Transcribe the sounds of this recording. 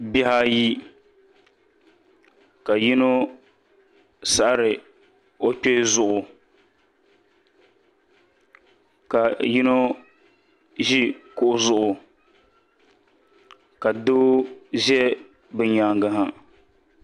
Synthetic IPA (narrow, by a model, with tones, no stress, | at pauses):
bi˦ha˦ji˦ | ka˨ji˦no˦ | sa˦ʔa˦ɾɨ˨ | o˦k͡pe˦zʊ˦ʔʊ˨ | ka˨ji˦no˦ | ʒi˦kʊ˨ʔʊ˦zʊ˦ʔʊ˨ | ka˨do˦ʒɛ˦ | bɨ˨ɲaː˨ŋɡa˦ɦa˨